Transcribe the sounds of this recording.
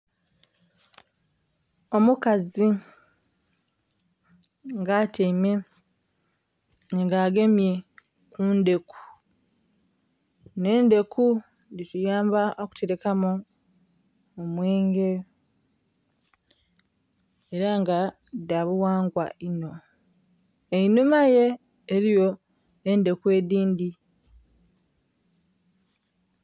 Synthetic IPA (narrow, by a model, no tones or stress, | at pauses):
o̞mukazi | ŋɡateime | ŋɡaːɡe̞mje̞ | kunde̞kʰu̥ | ne̞ːnde̞ku | nditujaːmbaʔoku̥te̞ɾe̞kamu | omweːŋɡe | eɾaŋɡa | daβuwaːŋɡwaino̞ | einumaje̞ː | ɾijo̞ | ende̞kue̞ːdiːndi